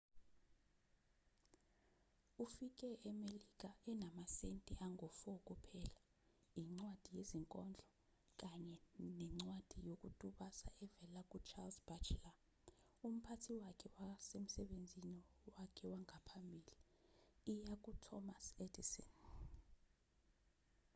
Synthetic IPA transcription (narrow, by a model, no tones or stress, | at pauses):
ufik̬ʼɛʔɛmelik̬ʼaɛnamasentʼɛʔaŋʱɔfɔk̬ʼupʰɛːla | iŋ͡ǀwad̥ʱijeziŋkʼɔnd͡ɮʱɔ | k̬ʼaɲɛnɛŋ͡ǀwad̥ʱijok̬ʼutʼuɓasa̰ʔɛvɛlak̬ʼut͡ʃʰalzb̥at͡ʃla | um̩pʰatʰiwakʰɛwasem̩sɛɓend͡zʱiniwakʰɛwaŋʱapʰambʱiːliː | jak̬ʼutʰɔmasedisɔ̰n